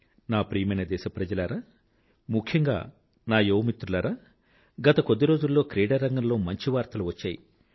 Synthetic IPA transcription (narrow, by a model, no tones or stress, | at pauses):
naːpɾiːjɐmɐjnɐd̪ɛːʃɐpɾɐd͡ʒɐlaːɾaː | mukʰjɐŋɡa̰ː | naːjoːmit̪ːɾulaːɾaː | ɡɐt̪ɐkod̪ːiɾoːd͡ʒulːo̞ːkɾeːɖɐɾːɐŋɡɐmlo̞ːmɐɲt͡ʃiʋaːɾt̪ɐluʋɐt͡ʃːaːji